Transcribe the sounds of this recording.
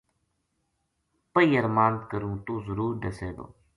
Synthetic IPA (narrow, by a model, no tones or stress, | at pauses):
pəiːəɾmaːnt̪kəɾũːt̪ũːzəɾuːɾɖ̪əseːd̪o̰ː